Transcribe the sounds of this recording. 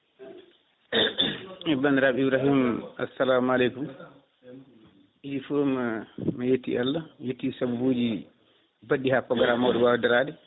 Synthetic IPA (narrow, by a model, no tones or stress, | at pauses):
ɛbanɾabibɾaɦima̰sːalaːmalɛjkum | ʔid͡ʒifummajetːḭʔalːajetːisabuboːd͡ʒi | baɗːihapːɔɡaɾamawdɔwawdaɾaːdɛ